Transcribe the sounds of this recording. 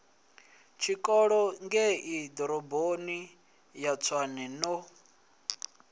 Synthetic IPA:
t͡ʃʰikʼɔɺɔŋɡɛid̪ɔɾɔboni | jat͡sʰwanɛnɔ

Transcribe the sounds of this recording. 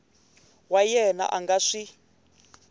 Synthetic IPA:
wajɛna̰ʔaŋɡaʂi

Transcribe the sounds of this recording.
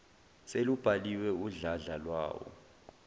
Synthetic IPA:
selub̥ʱaliwɛuɮaɮalwa̰ːwɔ̰

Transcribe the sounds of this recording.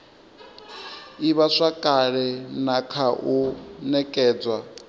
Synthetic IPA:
iβaʂakʼaɺɛnakʰaʔunɛkʼɛːd͡zwa

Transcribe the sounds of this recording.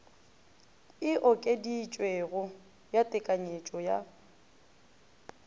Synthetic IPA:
ɪʔɔkʼedit͡ʃʼweɣʊ | jatʼɪkʼaɲet͡ʃʼɔja

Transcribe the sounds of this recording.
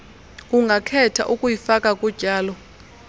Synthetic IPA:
kʼuŋɡʱakʰɛtʰa̰ʔukʼujifakʼakʼud̥ʒ̥ʱʼaːlɔ

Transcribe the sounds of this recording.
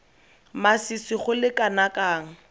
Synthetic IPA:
masisiχʊlɪkʼanakʼaːŋ̩

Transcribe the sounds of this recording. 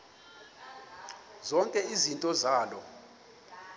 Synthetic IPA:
zɔŋkʼɛizintʼɔzaːlɔ

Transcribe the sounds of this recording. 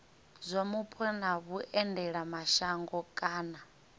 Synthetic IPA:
zʷamupʰɛnaβuʔɛndɛɺamaʃaŋɡɔkʼaːna

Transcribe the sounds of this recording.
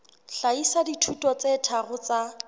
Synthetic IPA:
ɬaisaditʰutʼɔt͡sɛtʰaɣʊt͡sa

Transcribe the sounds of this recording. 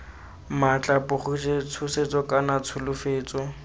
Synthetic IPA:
mat͡ɬʼapʊχʊt͡ʃʰet͡sʰʊset͡sʼɔkʼanat͡sʰʊlʊfeːt͡sʼɔ

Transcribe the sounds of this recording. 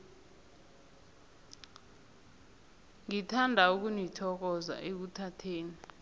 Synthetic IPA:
ŋitʰandʱauk̬unitʰɔk̬ɔza̰ʔek̬utʰatʰeːni

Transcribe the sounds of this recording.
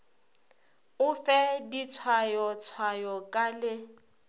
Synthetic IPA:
ʊfɛdit͡sʰwajɔt͡sʰwajɔkʼalɪ

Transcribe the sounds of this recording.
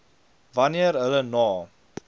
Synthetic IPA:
vɐniərɦələnɑː

